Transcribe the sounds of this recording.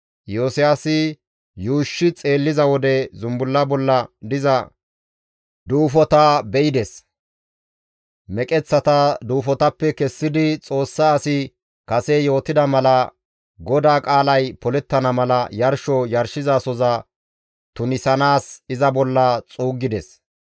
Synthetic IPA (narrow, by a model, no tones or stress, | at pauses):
joːsɪjasɪ | juːʃːɪt͡sʼe̞ːlːɪzɐwɔd̪ɛzʊmbʊlːɐbɔlːɐd̪ɪzɐ | d̪uːfɔt̪abɛʔɪd̪ɛs | mɛkʼɛt͡sːɐt̪ɐd̪uːfɔt̪ɐpːɛkɛsːɪd̪ɪt͡sʼo̞ːsːaːsɪ | kɐsɛjo̞ːt̪ɪd̪ɐmɐlɐ | ɡɔd̪aːkʼaːlɐjpɔlɛt̪ːɐnɐmɐlɐjɐɾʃɔjɐɾʃɪzasɔzɐ | t̪ʊnɪsɐnaːsɪzɐbɔlːɐt͡sʼuːɡɪd̪ɛs